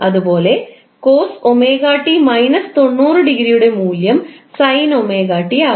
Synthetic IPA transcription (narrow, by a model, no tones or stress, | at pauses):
ʔɐðɯpoːle | koːsɔmeːɣaːʈːimɐɪnɐst̪ɔɳːuːrɯɖɪɣɪɾijɯɽemuːljɐmsɐjnɔmeːɣaːʈːiaː